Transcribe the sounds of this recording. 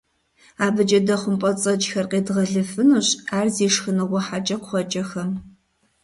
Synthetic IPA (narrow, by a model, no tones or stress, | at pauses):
aːbɨt͡ʃʼɐdɐχʷʊmpʼɔt͡sʼɐt͡ʃxɐrqeːdʁɐɮɨfɨnuɕaːrziːʂxɨnɨʁʷɔħat͡ʃʼɐqʷʊχʷɔt͡ʃʼɐxɐm